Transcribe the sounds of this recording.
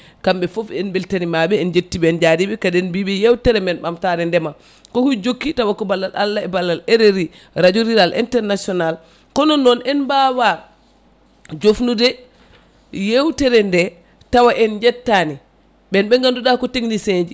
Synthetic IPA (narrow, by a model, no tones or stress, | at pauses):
kamɓɛfɔfɛnbɛltanimaɓɛːnd͡ʒetːiɓɛɛnd͡ʒadibɛkaɗɛnbiɓɛjewtɛɾɛmɛnɓamtaɾɛndɛma | kɔhud͡ʒokːitawakɔbalːalalːaɛbalːaleɾeɾi | ɾad͡ʒoɾiɾalʔḭntɛɾnasɔnal | kɔnɔnːɔnɛnbawa | d͡ʒofnudɛ | jewtɛɾɛndɛ | tawaʔɛnd͡ʒɛtːani | ɓɛnɓɛŋɡanduɗakɔteŋniseɲd͡ʒi